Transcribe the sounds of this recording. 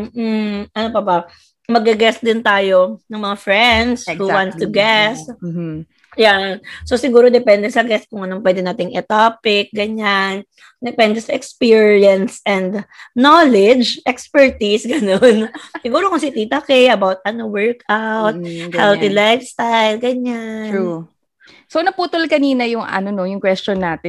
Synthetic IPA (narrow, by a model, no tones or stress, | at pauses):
m̩ːʔ̩ʔɐnopɐbɐ | mɐɡɐɡɛsd̪ɪnt̪aːjonɐŋmɐŋafɹɛnd̪shuwãnt̪st̪ʊɡɛs | jansosɪɡuːɾod̪ɛpɛnd̪ɛsɐɡɛst̪̚kʊŋʔɐnopwɛd̪ɛnaːt̪ɪŋʔɪt̪aːpɪk̚ɡɐɲan | d̪ɛpɛnd̪ɛsɐʔɛkspiːɹiɐnsɛ̃nd̪nolɛd͡ʒʔɛkspɛɹt̪isɡɐnonsɪɡuːɾokʊŋsit̪iːt̪ɐkɛjʔɐbawt̪̚ɐnowɛɹkawt̪̚hɛltilajfst̪ajlɡɐɲau | sonɐpuːt̪olkɐniːnɐjʊŋɐ̰nonojʊŋkwɛst͡ʃonːaːt̪ɪ